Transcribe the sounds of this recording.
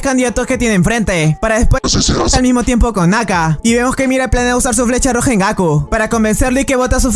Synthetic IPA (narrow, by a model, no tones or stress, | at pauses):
skand̪iðat̪oske̞t̪je̞nẽɱfɾe̞nt̪e̞paɾaðespwelmizmo̞t̪je̞mpo̞ko̞nːakaiβe̞mo̞ske̞mjiɾeplanusaɾs̬uflet͡ʃaro̞xaeŋɡakupaɾako̞mbe̞nse̞ɾloike̞βo̞t̪as̬uf